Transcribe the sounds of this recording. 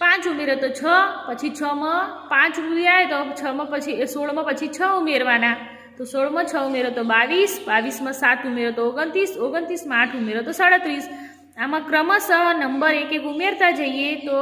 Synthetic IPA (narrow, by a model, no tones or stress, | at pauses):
pãt͡ʃumeɾɔt̪ot͡ʃʰəpət͡ʃʰit͡ʃʰəmãpãt͡ʃɾupjaɦet̪ot͡ʃʰəmãpət͡ʃʰisoɭmãpət͡ʃʰit͡ʃʰəumeɾʋana | t̪osoɭmãt͡ʃʰəumeɾot̪obaʋisbaʋismãsat̪umeɾot̪ooɡənt̪isoɡənt̪ismãaʈʰumeɾot̪osəɽət̪ɾis | amãkɾəməsənəmbəɾekekumeɾt̪ad͡ʒəiet̪o